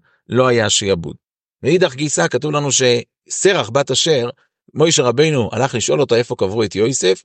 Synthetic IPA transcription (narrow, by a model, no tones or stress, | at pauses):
lo̞ajaʃiabṵd̚ | meid̪aχɡisakatuvlanuʃe̞ | se̞ʁaχbataʃe̞ʁ | mo̞jʃeʁabe̞jnuʔa̰laχliʃʔo̞lo̞tae̞fo̞kavʁuet̪jo̞jsef